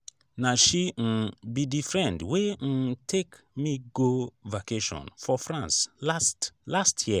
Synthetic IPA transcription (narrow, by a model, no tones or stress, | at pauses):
naʃiŋ̩bidifɹɛ̃ndwen̩tʰek | miɡovakeʃɔ̰̃nfɔfɹãnsstlastʰji